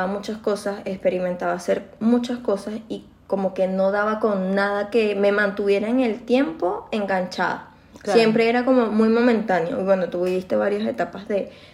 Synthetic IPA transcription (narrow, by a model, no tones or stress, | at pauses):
amut͡ʃasko̞sase̞kspe̞ɾimẽ̞nt̪aβase̞ɾmũt͡ʃasko̞sasi | ko̞mo̞ke̞no̞ðaβako̞ŋnaðake̞me̞mãnt̪uβje̞ɾaeŋe̞lt̪je̞mpo̞e̞ŋɡant͡ʃa̰ða̰ | sje̞mpɾe̞eɾako̞mo̞mujmõ̞mẽnt̪anjo̰iβwe̞no̞t̪uβiβist̪e̞βaɾjose̞t̪apazðe̞